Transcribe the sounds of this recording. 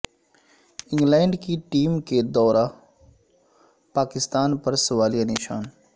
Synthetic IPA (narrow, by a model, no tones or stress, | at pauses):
ɪ̃ŋɡlɛːɳɖkiʈiːmked̪ɔːɾaː | paːkɪst̪aːnpɐɾsʊʋaːlijanɪʃaːn